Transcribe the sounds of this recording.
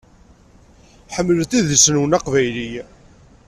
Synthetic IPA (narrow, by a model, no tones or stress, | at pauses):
ħəmːələθiðəsənwənɑqvæjli